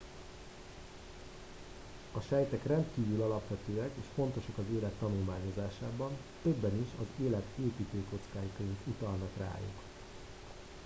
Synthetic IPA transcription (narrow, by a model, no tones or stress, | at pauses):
ɒʃɛjt̪ɛkrɛnt̪kiːvylɒlɒpʋɛt̪øːɛkeːʃfo̞nt̪o̞ʃɒkɒzeːlɛt̪ːɒnulmaːɲo̞zaːʃaːbɒn | t̪ø̞bːɛniʃɒzeːlɛt̪eːpiːt̪øːko̞t̪skaːjikɒink̪ut̪ɒlnɒkra̰ːjṵk